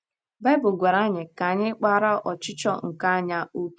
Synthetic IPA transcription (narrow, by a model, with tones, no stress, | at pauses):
ba˦bʊ˨ɡʷe˨ɾa˦ɲɪ˨ka˨ɲɪ˦k͡pa˦ɾa˦ʔɔ˨t͡ʃɪ˦t͡ʃɔ˦ŋ̩˨ka˦ɲa˦o˦k